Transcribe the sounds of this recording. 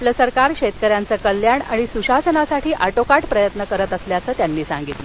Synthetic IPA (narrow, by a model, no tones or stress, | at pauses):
ləsəɾkaɾɕet̪̚kəɾjant͡səːkəljaɳa̰ɽ̃isuɕasənasaʈʰiːʔaʈokaʈpɾəjət̪nəkəɾət̪əsljat͡səːt̪janːiːsa̰ŋɡit̪lə